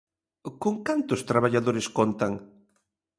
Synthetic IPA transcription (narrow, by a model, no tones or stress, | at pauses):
koŋkant̪ʊst̪ɾaβaʎaðoɾɪskont̪aŋ